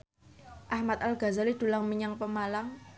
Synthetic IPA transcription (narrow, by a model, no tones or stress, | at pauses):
ʔahmat̪̚alɡ̥a̤zalid̪̥ṳlaŋmiɲaŋpəmalaŋ